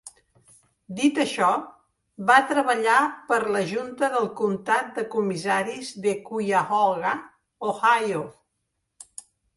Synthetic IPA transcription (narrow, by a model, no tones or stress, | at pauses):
d̪it̪əʃɔ | βat̪ɾəβəʎapəɾləʒunt̪əðəlˠkunt̪at̪̚d̪əkumizaɾizðekujaɣɔlɣə | ohajo